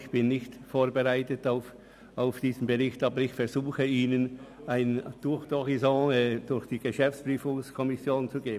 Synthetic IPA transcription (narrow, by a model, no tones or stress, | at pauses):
çb̥ɪnːɪçtfoːɐbəʁaɪtətaʊf | aʊfd̥iːzn̩bəʁɪçtɑːbəɾɪçfɛɐzuːxəiːnənaɪnd̥ʊɐxd̥ɔʁizɑ̃ɛːd̥ʊɐçd̥iːɡəʃɛft͡sb̥ʁyːfʊŋskʰɔmɪsjoːnt͡suɡeː